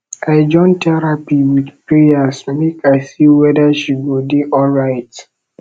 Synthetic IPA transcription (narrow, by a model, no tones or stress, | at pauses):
aɪd͡ʒɔ̃ntʰɛɹapiwidpɹeasmekʰaɪsiwɛdaʃiɡodeʔɔlɹaɪt